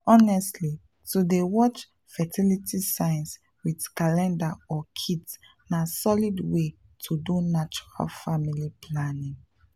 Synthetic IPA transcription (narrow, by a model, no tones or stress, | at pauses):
ɔnɛstʰli | tudewɔt͡ʃ | fɛtʰilitʰisãɪ̃ns | widkalɛ̃ndaɔkʰids | nasɔlidwe | tʰudunat͡ʃu̥ɹa̰lfamilipʰlanĩŋ